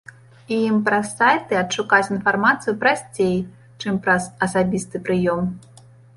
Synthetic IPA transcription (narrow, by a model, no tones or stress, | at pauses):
ijimpɾɐsajt̪ɨɐtʂukat͡sʲinfarmat̪sɨjupɾasʲt͡sʲej | t͡ʂɨmpɾɐzɐsabʲist̪ɨpɾɨjɔm